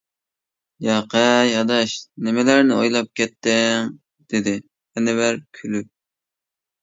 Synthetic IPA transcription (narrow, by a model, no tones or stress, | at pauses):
jɑqʰɛjɑd̪ɑʃnɪmɪlæɾnɪojlˠɑp̚kʲʰɛt̪ːɪŋ | d̪̥ɪd̪ɪ | ɛnɪvæɾkʲʰylyp̚